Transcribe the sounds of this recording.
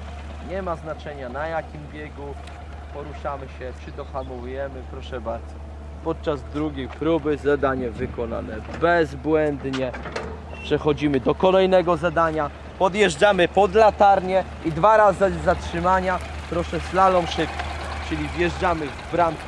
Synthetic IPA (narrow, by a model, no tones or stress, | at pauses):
ɲɛmaznat͡ʂɛɲanajakʲimbʲjɛɡu | pɔɾuʂamɘɕɛpʂɘd̪ɔxamuvujɛmɘpɾɔʂɛbaɾd̪zɔ | pɔt̪̚t͡ʂazd̪ɾuɡʲejpɾubɘzad̪aɲɛvɘkɔna̰nɛbɛzbwɛnd̪ɲɛ | pʂɛxɔd͡ʑimɘd̪ɔkɔlɛjnɛɡɔzad̪aɲa | pɔd̪jɛʐd͡ʐamɘpɔd̪lat̪aɾɲɛ | id̪vaɾazɨzatʂɘmaɲa | pɾɔʂɛslalɔ̃w̃ʂɘpʲt͡ʂɘlʲivjɛʐd͡ʐamɘvbɾam